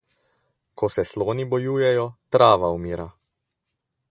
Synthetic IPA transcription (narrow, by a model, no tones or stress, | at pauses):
kʰɔsɛsloːnibɔjuːjɛjɔt̪ɾaːʋaumiːɾa